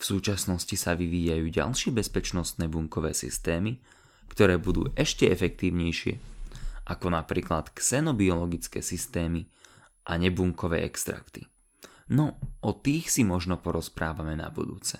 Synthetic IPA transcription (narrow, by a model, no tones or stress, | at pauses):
fsuːt͡ʃasnɔscisaʋiʋiːjajuːɟa̰lʃɪɛbɛspɛt͡ʃnɔst̪nɛːbuŋkɔʋɛ̰ːsḭst̪ɛːmi | kt̪ɔɾɛːbud̪ṵːʔɛʃcɛɛfɛkt̪iːʊɲɛjʃɪɛ̰ʔakɔnapɾḭːklat̪ksɛnɔbiɔlɔɡit͡skɛ̰ːsist̪ɛːmi | ʔaɲɛbuŋkɔʋɛ̰ːʔɛ̰kst̪ɾa̰kt̪ḭ | nɔʔɔt̪iːxsimɔʒnɔpɔɾɔspɾaːʋamɛna̰bṵd̪ṵːt͡sɛ̥